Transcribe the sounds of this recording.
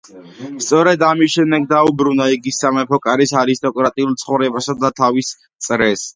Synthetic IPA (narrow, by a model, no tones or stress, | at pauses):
st̪sʼɔɾɛd̪amisʃɛmd̪ɛɡ̚d̪aubɾunaiɡisːamɛpʰɔkʼaɾisaɾist̪ʼɔkʼɾat̪ʼiulˠt̪sʰχɔvɾɛbasad̪at̪ʰavis | t̪sʼɾɛs